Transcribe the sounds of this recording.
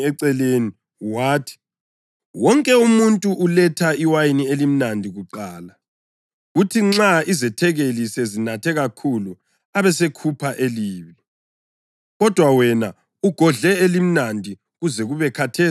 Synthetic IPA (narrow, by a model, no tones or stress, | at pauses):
ɛǀɛleni | waːtʰi̥ | wɔŋkʼɛumuntʼuʔulɛtʰaiwajinielim̩nandʱiɣuǃaːla | ɣutʰiŋ͡ǁaizɛtʰɛɣelisɛzinatʰɛɣakʰulu | aβɛsekʰupʰaʔeliːβi | ɣɔd̥ʱwawɛna | uɡ̥ʱɔɮɛelim̩nandʱi | ɣuzɛɣuβɛkʰatʰeː